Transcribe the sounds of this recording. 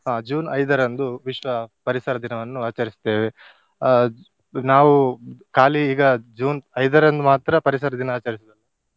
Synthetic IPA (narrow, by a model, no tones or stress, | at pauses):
ɦaːd͡ʒuːnɐjd̪ɐɾɐnd̪uʋiʃʋɐpɐɾisɐɾɐd̪inɐʋɐnːuaːt͡ʃɐɾist̪e̞ːʋe | naːʋukaːliiːɡɐd͡ʒuːnɐjd̪ɐɾɐnd̪umaːt̪ɾɐpɐɾisɐɾɐd̪inɐaːt͡ʃɐɾisɐd̪ɐlːɐ